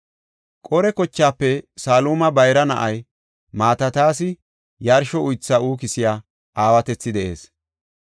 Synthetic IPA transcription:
kʼɔɾɛkɔt͡ʃːaːpːɛsaːluːmɐbɐjɾɐnɐ̰ʔɐj | maːt̪ɐt̪aːsɪ | jɐɾʃɔʊjt͡sːauːkɪsɪjaː | ʔaːwɐt̪ɛt͡sːɪd̪ɛʔe̞̰ːs

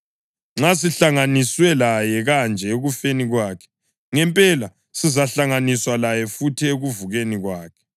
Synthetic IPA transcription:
ŋ͡ǁas̬iɬaŋaniswɛlajɛɣand͡ʒʱɛeɣufeniɣwaːkʰɛ̥ | ŋɛmpʼɛla | sizaɬaŋaniswalajɛfutʰieɣuvuɣeniɣwaːkʰɛ̥

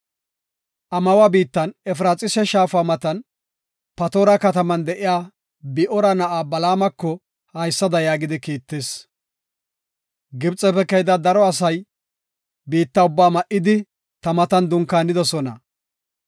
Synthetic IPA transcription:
ʔɐmɐwabiːt̪ːɐnɛfɾaːt͡sʼɪsɛʃaːfaːmɐt̪ɐn | pɐt̪oːɾɐkɐt̪ɐmɐnd̪ɛʔɪjaː | bɪʔɔɾɐnɐʔaːbɐlaːmɐkːɔ | hɐjsːɐd̪ɐjaːɡɪd̪ɪkiːt̪ːeːs | ɡɪbt͡sʼːɛpɛkːɐjd̪ɐd̪ɐɾɔɐs̬ɐj | biːt̪ːɐʊbːaːmɐʔɪd̪ɪ | t̪ɐmɐt̪ɐnd̪ʊŋkaːnːɪd̪ɔsɔnɐ̰

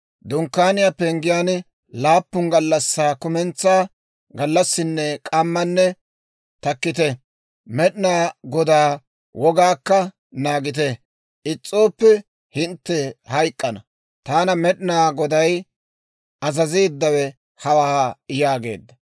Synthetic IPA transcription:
d̪ʊŋkːaːnɪjapɛŋɡɪjaːn | laːpːʊŋɡɐlːɐsːaːkʊmɛnt͡sːaː | ɡɐlːɐsːɪnːɛkʼɐmːɐnːɛ | t̪ɐkːɪt̪ɛ | mɛɗnaːɡɔd̪aː | wʔɔɡaːkːɐ | naːɡɪt̪̬ɛ | ʔɪt͡sʼːo̞ːpːɛ | hɪnt̪ːɛhɐjkʼːɐnɐ | t̪aːnɐmɛɗɪnaːɡɔd̪ɐj | ɐzɐziːd̪ːɐwɛ | hɐwɐaɪjaːɡḛːd̪ːɐ

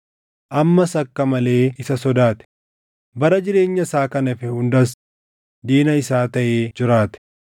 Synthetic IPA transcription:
ʔɐmːɐsɐkːɐmɐle̞ːɪsɐsɔd̪aːt̪ɛ̥ | bɐɾɐd͡ʒɪɾe̞ːɲːɐsaːkɐnɪfɪhʊnd̪ɐs̬ | d̪iːnɐɪsaːt̪ɐʔeːd͡ʒɪɾaːt̪ɛ̥

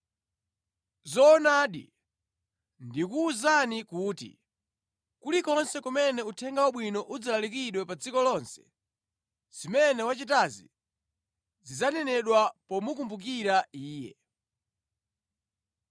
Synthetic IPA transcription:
zɔːnaːɗḭ | ndikuːzanikuːtḭ | kulikɔnsɛkumɛnɛutʰɛŋɡawaɓwinɔʔud͡zalalik̬iɗwɛpad͡zikɔlɔnsɛ̥̰ | zimɛnɛwat͡ʃit̬azḭ | zizanɛnɛɗwapɔmukumbuk̬iɾaiːjɛ̰

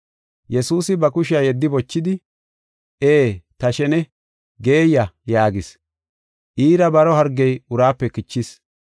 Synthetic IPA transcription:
jɛsuːsɪbɐkʊʃɪaːjɛd̪ːɪbɔt͡ʃːɪd̪ɪ | ʔeːt̪ɐʃɛnɛ | ɡe̞ːjɐjaːɡɪs | ʔiːɾɐbɐɾɔɦɐɾɡɛjʊɾaːpːɛkɪt͡ʃːɪs

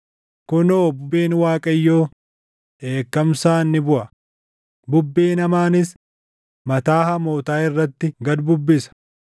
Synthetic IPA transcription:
kʊnoːbʊbːeːnwaːkʼɐjːo̞ː | ʔe̞ːkːɐmsaːnːɪbʊʔɐ | bʊbːeːnɐmaːnɪs | mɐt̪aːhɐmo̞ːt̪aːɪrːɐt̪ːɪɡɐd̪bʊbːɪsɐ̥

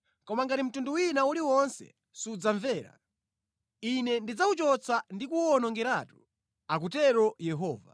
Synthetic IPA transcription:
kɔmaŋɡatim̩tunduwinauliwɔnsɛ̰ | sud͡zaɱvɛːɾa̰ | inɛndid͡zaut͡ʃɔt͡sʰandikuɔnɔŋɡɛɾaːtu | ak̬utɛɾɔjɛɦɔːva̰

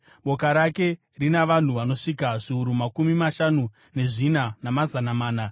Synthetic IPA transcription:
ɓo̞kaɾake̞ | rinaʋan̤uʋano̞ʂikaʐiuɾumakumimaʃanu | ne̞ʐinanamazanamaːna

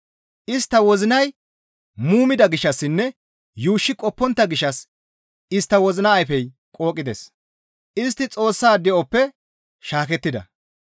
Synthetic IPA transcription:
ʔɪst̪ːɐwɔzɪnɐj | muːmɪd̪ɐɡɪʃːɐsːɪnːɛ | juːʃːɪkʼɔpːɔnt̪ːɐɡɪʃːɐs | ɪst̪ːɐwɔzɪnɐːjfɛj | kʼo̞ːkʼːɪd̪es | ɪs̬t̪ːɪt͡sʼo̞ːsːaːd̪ɛʔɔpːɛ | ʃaːkɛt̪ːɪd̪ɐ̰

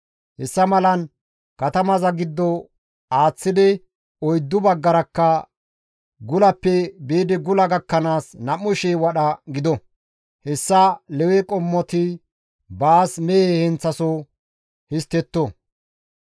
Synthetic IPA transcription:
hɛsːɐmɐlɐn | kɐt̪ɐmɐzɐɡɪd̪ːɔ | aːt͡sːɪd̪ɪ | ɔjd̪ːʊbɐɡːɐɾɐkːɐ | ɡʊlɐpːɛbeːd̪ɪɡʊlɐɡɐkːɐnaːsnɐmːʊʃeːwɐɗɐɡɪd̪ɔ | hɛsːɐlɛwɛkʼɔmːɔt̪ɪ | baːsmɛjehɛnt͡sːɐsɔ | hɪst̪ːɛt̪ːɔ

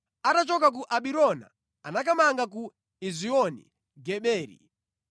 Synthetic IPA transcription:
atat͡ʃɔkak̬uʔaɓiɾɔna̰ | anakamaŋɡak̬u | iziɔnḭ | ɡɛɓɛːɾḭ

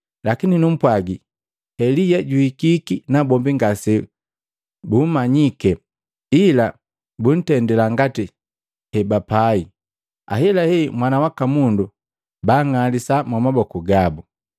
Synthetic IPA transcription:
lakininum̩pwaɡi | hɛlijɛɟuhikikinabɔmbiŋɡasɛ | bumaɲikɛ | ila | bun̩tɛndɛlaŋɡati | hɛbapai | a̰ɦɛlahɛmwanawakamundu | baŋalisamwamabɔkuɡabu

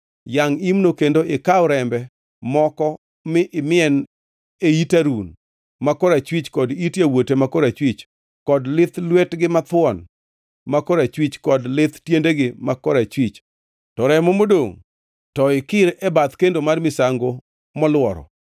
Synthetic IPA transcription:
jaŋimnokendoʔɪkaʊɾɛmbɛ | mɔkɔ | mɪʔɪmɪɛn | eitaɾun | makɔɾat͡ʃwit͡ʃkɔditjawotemakɔɾat͡ʃwit͡ʃ | kɔdlɪt̪lwetɡɪmat̪wɔn | makɔɾat͡ʃwit͡ʃkɔdlɪt̪tjendeɡɪmakɔɾat͡ʃwit͡ʃ | tɔɾɛmomodoŋ | tɔɪkɪɾɛbat̪kendomarmɪsaŋɡo | mɔlwɔɾɔ̰

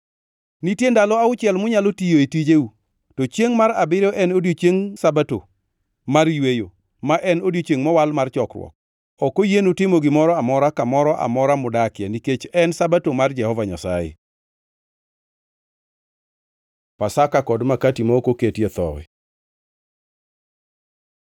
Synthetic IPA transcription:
nitjendalɔaʊt͡ʃɪɛlmʊɲalotijoetid͡ʒeu | tot͡ʃjeŋmaɾabɪɾɔʔɛnodjot͡ʃjeŋsabato | marjwejo | maʔɛnodjot͡ʃeŋmɔwalmart͡ʃɔkrwɔ̰k̚ | ɔkojenotɪmoɡɪmɔɾɔamɔɾakamɔɾɔʔa̰mɔɾamʊdakɪaniket͡ʃɛnsabatomard͡ʒɛhɔvaɲa̰sa̰jḛ | pasakakɔdmakatimaokoketjet̪ɔ̰wɛ̰

